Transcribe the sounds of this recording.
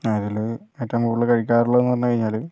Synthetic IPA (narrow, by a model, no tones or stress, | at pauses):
ɐðiloetːɐmuːɭːɨkɐɻik̬ʲːaːruɭːɐʋenːɨʋɐnːɨkɐɻiɲːaːl